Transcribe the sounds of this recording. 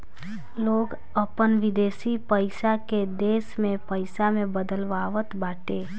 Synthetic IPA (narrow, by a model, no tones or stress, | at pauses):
loːɡ | əpənʋɪd̪eːsipəɪsaked̪eːsmẽpəɪsamẽbəd̪əlʋaːʋət̪baːʈeː